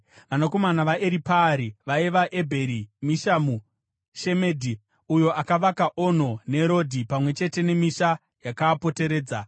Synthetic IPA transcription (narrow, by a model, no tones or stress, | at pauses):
ʋanako̞manaʋaʔeɾipaːɾiʋaiʋaʔe̞bʱe̞ɾimiʃamu | ʃe̞me̞ːdʱi | ujo̞ʔakaʋakaʔon̤o̞ne̞ɾo̞dʱipamwe̞t͡ʃe̞te̞ne̞miʃa | jakaːpo̞te̞ɾe̞ːd͡za